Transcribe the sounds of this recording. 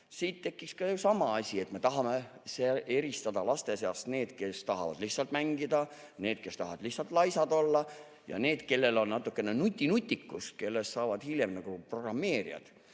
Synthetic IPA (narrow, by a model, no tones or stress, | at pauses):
siːt̪t̪e̞kːikskɑjusɑmɑɑsʲie̞t̪ːme̞t̪ɑɦɑmeseʔe̞ɾist̪ɑd̪ɑlɑst̪e̞seɑst̪ne̞ːd̪̥ke̞st̪ɑɦɑvɑ̰d̪̥lihsɑlt̪mæŋɡid̪̥ɑ | ne̞ːd̪̥̚ke̞st̪ɑ̰ɦɑvɑd̪̥lihsɑlt̪lɑjsɑd̪o̞lːɑ | jɑ̰ne̞ːd̪̥ke̞lːe̞lo̞nnɑt̪ːˑukːenenut̪ʲːinut̪ʲːˑikːust̪̚ke̞lːest̪sɑːvɑd̪̥hiljemnɑɡ̥upro̞ɡrɑmːe̞ːɾḭɑ̰d̪̥